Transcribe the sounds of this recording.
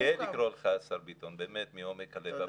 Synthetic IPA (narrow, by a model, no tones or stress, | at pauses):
elikɾɔlχæsaɾbit̪ʰɔnbemet̪̚miɔmekʰɐleba